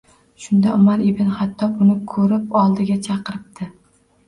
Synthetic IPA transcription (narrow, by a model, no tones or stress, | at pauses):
ʃʊnd̪aʊmaɾɪbɪnhat̪ʰːɒʊnɪkʰɵɾɪpɒlˠd̪ɪɡʲat͡ʃʰɑqɨɾɪp̚d̪ʰɪ